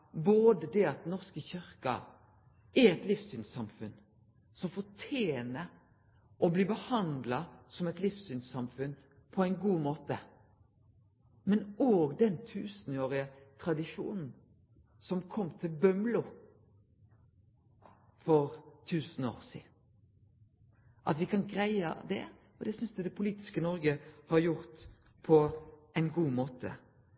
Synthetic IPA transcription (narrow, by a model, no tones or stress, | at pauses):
boːd̪əd̪ɛɑt̪nɔʁskəçʏɾkɑ̰ | æɾɛt̪lɪfsynsɑmfʉn | sɔmfɔtʰjeːnəɾ | ʔɔbliːbəhɑnd̪lɑsɔmɛt̪lɪfsynsɑmfʉn | pʰɔæɪnɡuːmoːt̪ə | mɛnoːɡd̪ɛnt̪ʰʉːsn̩oːɾɪət̪ʰʁɑd̪ɪʂṵːnn̩ | sɔmkʰɔmːt̪ʰɪlbœmlʊ | fɔʁt̪ʰʉːsn̩o̰ːʁsḭːd̪n | ʔɑt̪ʋɪkʰɑnɡɾæɪə̰d̪ɛ̰ | ɔd̪ɛsʏnsd̪ʉd̪ɛpʰʊliːt̪ɪ̥skənɔɾɡəhɑɾjʊʁt̪ | pʰɔæɪnɡuːmoːt̪ʰə̰